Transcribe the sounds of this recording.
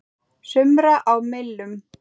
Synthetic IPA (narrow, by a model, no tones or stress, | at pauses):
sʏmɾaʔawmɪlːʏm